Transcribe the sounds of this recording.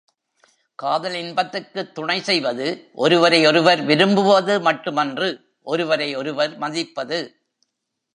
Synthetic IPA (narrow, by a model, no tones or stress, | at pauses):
kaːðɐlɪnbɐt̪ːɯkːɯt̪ːʊɳɐɪsɛjʋɐðɯʔɔ̰ɾɯʋɐɾɐɪɔɾɯʋɐɾʋɪɾɯmbɯʋɐðɯmɐʈːɯmɐndrɯ | ʔɔɾɯʋɐɾɐɪɔɾɯʋɐɾmɐðɪpːɐðɯ